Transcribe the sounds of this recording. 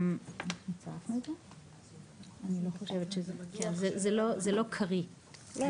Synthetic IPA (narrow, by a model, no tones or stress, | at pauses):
mot͡safnuedze | anilo̞χoʃevetʃezkenzezelo̞zelo̞kʰaʁi